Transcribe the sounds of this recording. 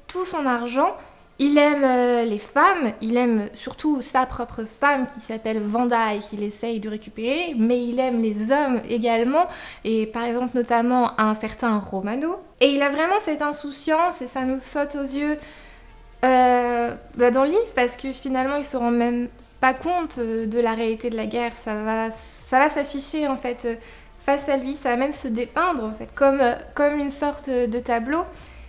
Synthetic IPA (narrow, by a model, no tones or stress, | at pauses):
t̪usɔ̃naʁʒɑ̃ | ilɛmølefamilɛmsyʁt̪usapχɔpχəfamkʲisapɛlvɑ̃d̪ajkʲilesɛjd̪əʁekʲypeʁemɛilɛmlezɔmeɡʲalmɑ̃epaʁɛɡzɑ̃plnɔt̪amɑ̃ʔɛ̃sɛʁt̪ɛ̃ʁomano | eilavʁɛmɑ̃sɛt̪ɛ̃susjɑ̃sesanusɔt̪ozjø | ø | bad̪ɑ̃ləlivpaʁsə̥kəfinalmɑ̃ilsəʁɑ̃mɛm | pakɔ̃t̪d̪əlaʁealit̪ed̪əlaɡʲɛːʁsava | savasafiʃeɑ̃fɛt̪ø | fasalɥisavamɛmsəd̪epɛ̃d̪ʁɑ̃fɛt̪kɔmøkɔmynsɔʁt̪d̪ət̪ablo